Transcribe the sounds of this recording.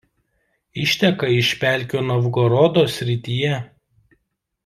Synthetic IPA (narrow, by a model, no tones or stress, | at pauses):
ɪʃʲt̪ʲɛkɐɪʃʲpʲæˑlʲkʲoːnɐʋɡɔɾɔd̪oːsʲɾʲɪt̪ʲijɛ